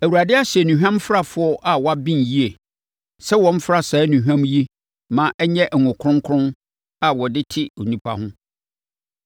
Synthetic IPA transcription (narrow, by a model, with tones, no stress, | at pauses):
æ˨wu˨ɾa˨dɪ˦a˦ɕɛ˨nũ˨ɦᶣã˦mfɾa˦fʊ˨˦ɔ˦ʔa˨wɔ˦a˦bĩ˦nji˦e˨ | sɛ˦wɔ̃˦m̩˦fɾa˦˨sɛː˨˦nũ˨ɦᶣã˦mji˦ | mã˨ʔɛ˦ɲɛ̃˦ʔŋʊ̃˨kʰɾʊ̃˦ŋkʰɾʊ̃˦n | a˨wɔ˨dɪ˦tʰɪ˦o˨nĩ˦pʰa̰˦hʊ̃˦